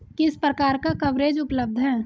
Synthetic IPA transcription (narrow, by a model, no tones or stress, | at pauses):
kɪspɾəkaːɾkakɐʋɾeːd͡ʒʊpləb̚d̪ʱɦɛː